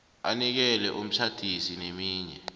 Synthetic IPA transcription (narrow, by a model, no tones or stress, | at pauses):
anik̬ɛlɛʔum̩t͡ʃʰad̥ʱisinemiːɲɛ